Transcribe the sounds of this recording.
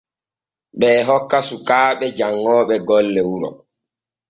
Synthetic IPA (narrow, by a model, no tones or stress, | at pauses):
ɓɛːɦɔkːasukaːɓɛd͡ʒaŋːɔːɓɛɡɔlːɛwuɾɔ̰